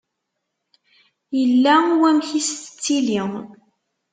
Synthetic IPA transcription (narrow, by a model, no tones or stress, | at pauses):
jəlːæwæmçist̪ət͡sːiliŋ